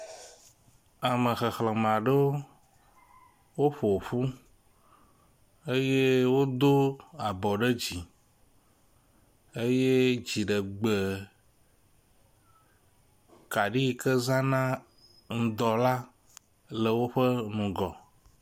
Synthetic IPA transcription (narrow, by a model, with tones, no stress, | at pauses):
a˨mə̃˨xə˨xlə˨mã˨ɖə˦o˦ | wo˦ɸo˨ɸu˦ | e˦je˦wo˦d̪o˦a˨bɔ˨ɖə˦d͡ʑi˨ | e˦je˦d͡ʑi˨ɖə˨ɡ͡be˨ | ka˨ɖi˦˨kə˦zã˦nã˦ | ŋ̩̃˨d̪ɔ˨la˦ | lə˨wo˦ɸə˦nũ˨ɡɔ˨